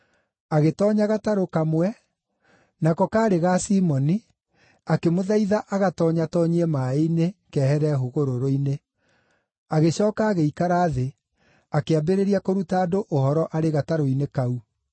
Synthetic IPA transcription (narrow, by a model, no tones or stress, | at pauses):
aɣetɔɲaɣataɾokamwɛ | nakɔkaːɾeɣasiːmɔni | akemoðaiðaʔaɣatɔːɲatɔɲiɛmaeinekɛːhɛɾɛɦoɣoɾoɾoine | aɣeɕɔːkaːɣeikaɾaːðe | akeabeɾeɾiakoɾutaːdoʔohɔɾɔʔaɾeɣataɾoinekau